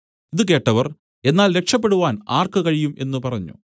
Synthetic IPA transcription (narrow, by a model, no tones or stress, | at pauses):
iðɨke̞ːʈːɐʋɐr | e̞nːaːlɾe̞kʂɐpːe̞ɽuʋaːnaːrkɨkɐɻijume̞nːɨpɐrɐɲːṵ